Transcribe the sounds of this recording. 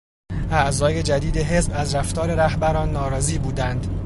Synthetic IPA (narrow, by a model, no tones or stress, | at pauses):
ʔæʔzɒːje̞d͡ʒæd̪iːd̪eɦe̞zbæzɾæft̪ɒːɾe̞ɾæhbæɾɒːnːɒːɾɒːziːbuːd̪ænd̪̥